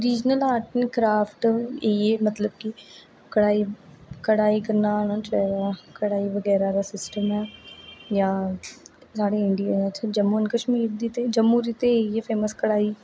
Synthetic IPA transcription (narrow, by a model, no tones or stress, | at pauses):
ɾiːd͡ʒnəlaːʈənkɾaːpʰʈeieːmət̪ləb̚ki | kəɽaːikəɽaːikəɾnaːɽ̃ãːt͡ʃɛɾakəɽaːiʋəɡɛːɾaːɾaːsɪsʈəmɛːjaː | saːɽeɪɳɖijənãt͡ʃʰad͡ʒəmuənkəʃmiːɾd̪iːt̪eːd͡ʒəmːuːɾiːt̪eieːpʰeːməskəɽaːiː